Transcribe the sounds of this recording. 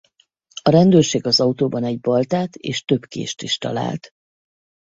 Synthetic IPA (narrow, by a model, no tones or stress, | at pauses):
ɒɾɛnd̪øːrʃeːɡɒzɒut̪oːbɒnɛɟbɒlt̪aːt̪ḛːʃt̪ø̞bkḛːʃt̪iʃt̪ɒ̰la̰ːlt̪